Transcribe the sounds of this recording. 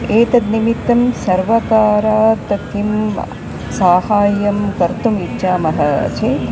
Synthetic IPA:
eːt̪ɐd̪nimit̪ːɐmsɐɾʋɐkaːɾaːt̪ɐt̪ʰim | saːhaːjɐmkɐɾt̪umitːʃʰaːmɐɦɐ̰t͡ʃʰe

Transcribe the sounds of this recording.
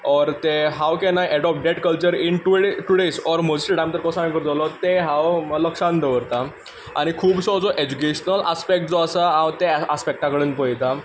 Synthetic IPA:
ɔɾt̪eɦawkɛ̃najʔɛɽɔp̚ɖeʈkəlt͡ɕəɾinʈuʈuɽesɔɾməd͡zisʈəʈãmt̪əɾkɔsãkəɾd͡zalɔt̪eɦawləkʂãnd̪əʋəɾt̪a | a̰ɽ̃ikʰuːbsɔd͡zɔʔed͡ʑukeɕnəlaspek̚ʈ̚d͡zɔəsaɦãwt̪easpek̚ʈakəɽənpəjt̪a

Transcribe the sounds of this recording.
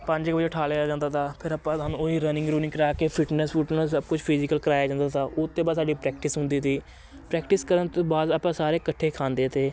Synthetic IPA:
pə̃ɲd͡ʒkbəd͡ʒʈʰaːleːjaːd͡ʒãːnd̪aːt̪ʰaːpʰɪɾəpãːsaːnũːoːiːɾənɪ̃ŋɡɾuːnɪ̃ŋkəɾaːkeːpʰɪʈnəsfʰʊʈnəsəb̚kʊt͡ʃʰpʰɪzɪkəlkəɾaːjaːd͡ʒãːnd̪aːt̪aːʔʊt̪ːẽːbaːd̪saːɖiːpɾɛːk̚ʈɪsɦʊ̃nd̪iːt̪iː | pɾɛːkʈɪskəɾənt̪õːbaːd̪aːpãːsaːɾeːkəʈʰːeːkʰãːnd̪eːt̪eː

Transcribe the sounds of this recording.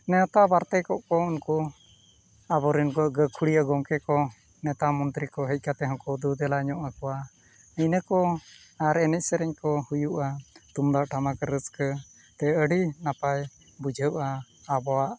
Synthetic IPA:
nɛɔt̪aʔbaɾt̪ɛkɔʔkɔunkɔ | abɔɾinkɔɡəkʰuɽijaɡɔŋkɛkɔ | nɛt̪amɔnt̪ɾikɔɦəc̚ˀkat̪ɛɦɔ̃kɔd̪ud̪ɛlaɲɔʔakɔwa | əjnəkɔ | aɾɛnɛc̚ˀsɛɾɛɲkɔhujuʔat̪umd̪aʔʈʰamakəɾəskə | t̪ɛəɖinapaj | bud͡ʒʱəʔaː | bɔwaʔ

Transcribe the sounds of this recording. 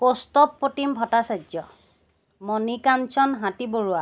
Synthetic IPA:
kostɔpːotimbʱɔtasazɔ | mɔnikansɔnɦãtiboɹʊa

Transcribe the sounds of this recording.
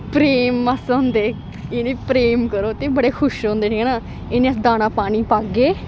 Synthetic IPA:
pɾeːmːasoːnd̪eː | eneːpɾeːmkəɾoːt̪eːbəɽeːkʰʊʃoːnd̪eːʈʰiɦɛnãː | eːnẽːəsd̪aːnaːpaːɽiːpaːɡeː

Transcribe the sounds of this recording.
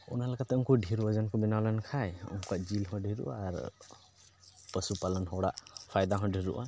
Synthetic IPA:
ṵnalakat̪ɛuŋkɔɖʱiɾuad͡ʒankɔbɛnawlɛnkʰajṵŋkuaʔd͡ʒilhɔɖʱiɾṵaːɾ | pəsupalənɦɔwɽa̰ʔpʰajd̪aɦɔ̃ɖʱiɾṵʔa̰

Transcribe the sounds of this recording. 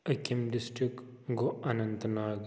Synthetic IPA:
ɐkimɖɪsʈɾikɡoʔɐnɐ̃nt̪naːɡ

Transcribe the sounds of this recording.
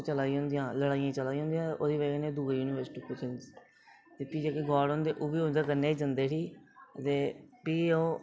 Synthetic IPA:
t͡ʃəlaːiɦʊ̃nd̪ijãːləɽaːijãːt͡ʃəlaːiːɦõːnd̪ijãːoːd̪iːʋeːɡneːd̪uːɡeːjuːnɪːʋəɾsʈiːpət͡ʃɪns | d̪ɪt̪ːiːd͡ʒaːkiɡɔːɽõnd̪eːʔuʋiːʊnd̪əɾkəɾneːd͡ʒə̃nd̪eːsiːt̪eːpiːoː

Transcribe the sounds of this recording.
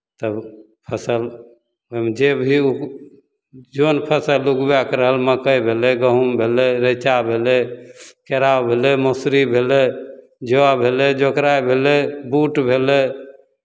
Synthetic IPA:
t̪əb | pʰəsəl | ɦomed͡ʒebʱiu | d͡ʒonpʰəsəluɡbakɾəɦəlməkəjbʱeleɡəɦumbʱelɛɾət͡ʃabʱelekeɾawbʱelemosɾibʱele | d͡ʒoabʱeled͡ʒokɾajbʱelebuʈbʱelɛ

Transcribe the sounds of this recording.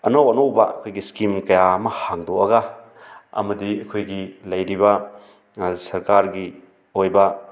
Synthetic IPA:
ɐnowɐnowbɐɐkʰojɡiskimkɐjaɐmɐhaŋdoɐɡa | ɐ̰mɐdiɐkʰojɡilɐjɾibɐ | sɐɾkaɾɡi | ojbɐ

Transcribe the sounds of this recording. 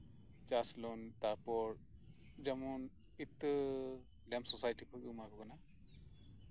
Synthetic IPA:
t͡ʃaslɔnt̪aɾpɔɹ | d͡ʒamun | it̪ːɯ | lɛmsɔsajʈipʰɯkɯmajbɔkana

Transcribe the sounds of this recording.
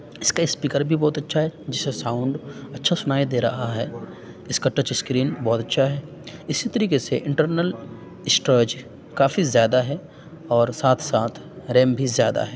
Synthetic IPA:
ɪskaɪspiːkəɾbʱibɔːt̪ɐtːʃʰaɦɛd͡ʒɪsesãːʊ̃ɳɖɐtːʃʰasʊnaːid̪eːɾɐɦaɦɛ | ɪskaʈət͡ʃɪskɾiːnbɔːt̪ɐtːʃʰaɦɛːɪsit̪ɐɾiːkeseʔɪ̃ɳʈəɾnəl | ɪsʈɾəːd͡ʒ | kaːfizjaːd̪aɦɛ | ɔːɾsaːt̪ʰsaːt̪ʰɾẽːmbʱizjaːd̪a̰ɦɛː

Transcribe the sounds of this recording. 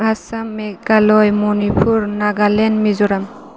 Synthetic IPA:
asamːɛɡalɔjmɔnipʰuɹnaɡalɛnmizɔɾam

